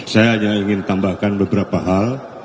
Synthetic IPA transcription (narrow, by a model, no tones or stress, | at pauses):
sajaɲaiŋɪnt̪ambahkanbəbəɾapaɦal